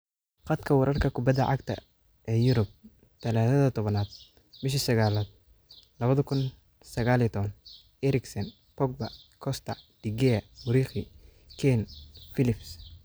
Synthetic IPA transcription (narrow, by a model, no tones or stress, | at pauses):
qɑt̪kʰɐwɑɾɐrkʰɐkʰʊbɐd̪ɐʕɑ̰ɡt̪ʰɐ̰ | ʔɛːjʊɾʊb̚ | t̪ʰɐlaːθɐðɐt̪ʰɔβɐnaːd̪̚ | bɪʃ̬ɪsɐɣaːlaːd̪̚ | lɐβɐðɐkʰʊn | sɐɣaːlit̪ʰɔβɐn | ɛɾɪksɐn | pɔɡ̚bɐkʰɔst̪ʰɐd̪̥iɡɛɐmʊɾiːχi | kʰɛnfɪlɪfs